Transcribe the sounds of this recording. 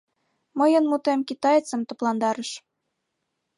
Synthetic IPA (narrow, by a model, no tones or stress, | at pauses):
mɤ̆jə̆nmut̪emkit̪ɑjet͡sə̆mt̪ŏplˠɑnd̪ɑɾə̆ʃ